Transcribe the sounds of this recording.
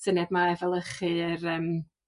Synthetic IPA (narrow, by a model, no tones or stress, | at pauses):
sənjadmaɛvɛlˠəχɨrəːm